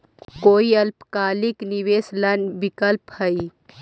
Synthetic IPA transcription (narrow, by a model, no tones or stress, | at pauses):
koːiɐlpkaːlikniʋeːslənbɪkəlphəi